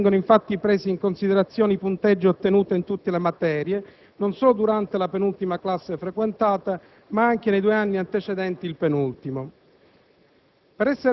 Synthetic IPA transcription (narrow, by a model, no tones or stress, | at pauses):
ŋɡonoiɱfat̪ːipɾeːziːŋkonsid̪eɾat̪sːjoːnipunt̪ed͡ʒːoot̪ːenuːt̪eint̪ut̪ːelemat̪ɛːɾje | nonsɔːlod̪uɾant̪elapenult̪imaklasːefɾekwent̪aːt̪a | maaŋk̟enejd̪ueanːiant̪et͡ʃed̪ɛnt̪iːlpenult̪imo | peɾɛsːeɾ